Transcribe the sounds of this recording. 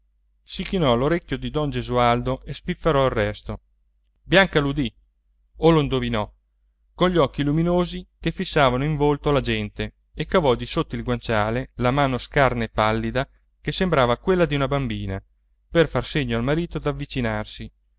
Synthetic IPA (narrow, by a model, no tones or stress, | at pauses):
sikinɔloɾekʲːjod̪id̪ɔnd͡ʒezuald̪oʔespifːeɾɔirːɛst̪o | bjaŋkalud̪i | oloind̪ovinɔ | koɲʎːiɔkːiluminoːzikefisːaːvanoiɱvolt̪olad͡ʒɛnt̪e | ekːavɔd̪isot̪ːoilɡwant͡ʃaːlelamaːnoskarnaepːalːid̪a | kesembɾaːvakwelːad̪iunabambiːna | perfarseɲːoalmaɾiːt̪od̪avːit͡ʃinarsi